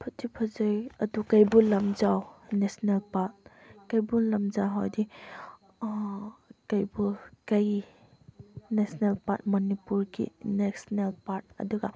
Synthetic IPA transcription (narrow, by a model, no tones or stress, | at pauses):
pʰɐtʰipʰɐzɯjɐdukɐjbulɐmzawnesnelpat̚kɐjbulɐmzawɦawdi | kɐjbukɐj | nesnelpat̚mɐnipuɾɡḭneksnelpaɾt̚ɐ̰duɡa